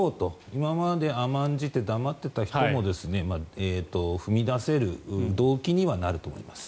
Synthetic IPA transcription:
oːt̪o̞imamad̪e̞amãɲ̟d͡ʑit̪e̞d̪amat̪ːe̞t̪açi̥t̪o̞mo̞d̪e̞sɨne̞maːeːt̪o̞ɸɯ̟mʲid̪ase̞ɾɯ̟d̪o̞ːkʲiɲ̟iβanaɾɯ̟t̪o̞mo̞̰ḭmasɨ̥

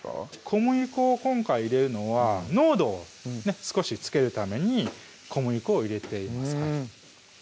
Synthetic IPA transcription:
kʰo̞mɯ̟ikɯːkõ̞ŋkaiːɾe̞ɾɯ̟no̞βano̞ːd̪o̞ː | ne̞sɨ̥ko̞ɕit͡sɨ̥ke̞ɾɯ̟t̪ame̞ɲ̟i | kʰo̞mɯ̟ikɯːiɾe̞t̪e̞imasɨ̥ka

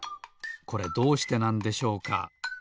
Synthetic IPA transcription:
ko̞ɾe̞d̪o̞ːɕi̥t̪e̞nãnd̪e̞ɕo̞ːka̰

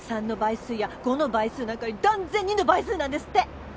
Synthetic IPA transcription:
sãnːo̞baisɨːjaɡ̥o̞nobaisɨːnãŋkaɲid̪ãnd͡zẽ̞ɲ̟ʲːĩnobais̬ɨːnãnd̪e̞sɨ̥t̪ːe

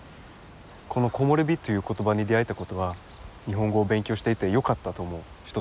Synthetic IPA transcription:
kʰo̞no̞ko̞mo̞ɾʲɯ̟bʲit̪ːo̞jɯ̟ːko̞t̪o̞baɲ̟id̪e̞ait̪ako̞t̪o̞ɡa | ɲ̟iɦõ̞ŋɡo̞ːbẽ̞ŋkʲo̞ːɕi̥t̪e̞it̪e̞jo̞kat̪ːat̪o̞mo̞ | çi̥t̪o̞

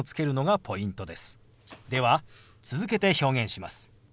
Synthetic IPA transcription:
ot͡sɨ̥ke̞ɾɯ̟no̞ɡapʰo̞ĩnt̪o̞d̪e̞sɨ̥ | d̪e̞βa | t͡sɨzɨke̞t̪e̞ço̞ːɡẽ̞ɰ̃ɕimasɨ̥

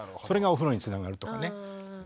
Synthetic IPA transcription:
so̞ɾe̞ɡaoɸɯ̟ɾo̞ɲ̟it͡sɨnaɡaɾɯ̟t̪oka̰ne

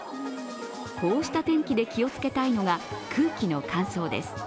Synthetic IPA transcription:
ko̞ːɕi̥t̪at̪ẽ̞ŋkʲid̪e̞kʲio̞t͡sɨ̥ke̞t̪aino̞ɡakʰɯ̟ːkʲino̞kʰãɰ̃so̞ːd̪e̞̰sɨ̥

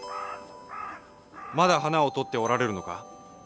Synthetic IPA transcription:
mad̪aɦanao̞t̪o̞t̪ːe̞o̞ɾaɾe̞ɾɯ̟no̞ka̰

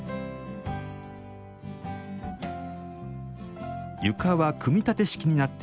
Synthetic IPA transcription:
jɯ̟kaβakʰɯ̟mʲit̪at̪e̞ɕi̥kʲiɲ̟inat̪ːe

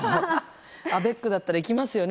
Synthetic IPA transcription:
abe̞kːɯ̟d̪at̪ːaɾaikʲimasɨjo̞n

